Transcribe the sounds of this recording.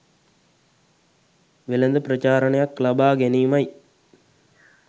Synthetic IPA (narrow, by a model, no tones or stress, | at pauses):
ʋɪlɐnd̪ɯpɾɐt͡ʃaːɾɐɳɐjaːkːlɐbaːɡenimɐɪ